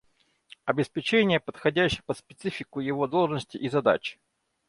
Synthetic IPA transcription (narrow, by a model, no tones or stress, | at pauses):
ɐbʲɪspʲɪt͡ɕenʲɪjəpət̪xɐdʲæɕːɪpət̪spʲɪt̪sɨfʲɪkʊjɪvod̪olˠʐnəsʲtʲɪʔizɐd̪a̰t͡ɕɪ̥